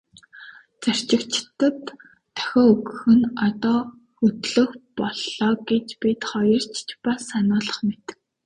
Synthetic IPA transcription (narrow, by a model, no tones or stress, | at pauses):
t͡sar̥t͡ɕɪ̆kt͡ɕɪt̪ə̆t̪ʰː | œ̥xʲɔːɵɣɵ̆xɵ̆nɔt̪ɔː | xɵt̪ɮɵ̆xpɔɮɔːɡet͡ɕpʲit̪χɔjɞ̆r̥t͡ɕʰt͡ɕpasanʊːɮə̆χmet̪ɘ̥̆k̚